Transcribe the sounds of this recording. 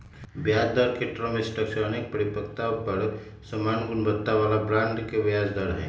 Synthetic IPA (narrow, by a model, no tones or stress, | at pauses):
bjaːd͡ʒd̪ɔɾkeʈɾɔmẽsʈəkʃɔːnɪk̚pəɾɪpəkt̪apɐɾ | səmaːnɡʊnbət̪ːaʋaːlabɾãːɳɖkeʋjaːd͡ʒd̪ɔɾɦɛ̰ː